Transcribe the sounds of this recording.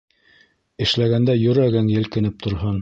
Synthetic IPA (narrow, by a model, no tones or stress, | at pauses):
ɘ̆ʃlæɡænd̪æjɵ̆ɾæɡɘŋjɘ̆lkɘ̆nɘp̚t̪ŏɾɦɤn